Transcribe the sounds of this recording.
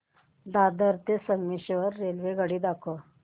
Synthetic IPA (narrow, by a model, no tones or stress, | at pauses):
d̪ad̪əɾt̪esəŋmiɕʋəɾːelʋeɡəɽiːd̪akʰo